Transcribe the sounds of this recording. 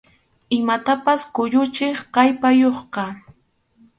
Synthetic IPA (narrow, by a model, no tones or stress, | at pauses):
ɪmat̪apaskʊʎʊt͡ʃɪχqɑjpajoχqɑ